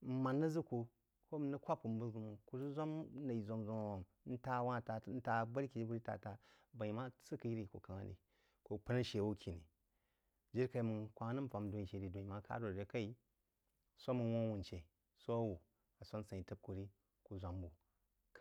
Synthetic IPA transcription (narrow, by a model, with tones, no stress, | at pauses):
m̩˦ma˨nːɨ˦zɨ˦ku˨ | ko˦m˨nɨ˦kʷa˦p̚ku˨m̩˦bu˦ɡu˨mu˨ku˨zu˦zʷa˦m˦na˨i˨zʷo˨mzo˦m˨o˨m | n̩˦ta˦wa˦˨ta˨˦n̩˦ta˨bə˦ɾki˨˦bu˦ɾi˦ta̰˨ta˨ | ba˨i˨ma˦sɨ˦kɨ˨ji˦ɾi˨ko̰˨ka˨ŋa̰˦nḭ˨ | ko˨pə˦na˦ʃe˨wu˦kʰʲi˨ni˨ | d͡ʒi˦ɾka˨i˨mu˨kʷa˨˦a˦nɨ˦m̩˦˨fa˨m˦do˨˦i˨ʃe˨˦ɾi˨do˨i˨ma˦ka̰˦ɾo˨ɾɾe˦ka˦i˦ | sʷa˦mu˨wo˦wu˨nt͡ʃe˨ | so˦a˦wu˨ | a˨sʷa˦n˦sa˨i˨tɨ˦b̚ku˨ɾi˦ | ku˨zʷa˨mbu˨ | k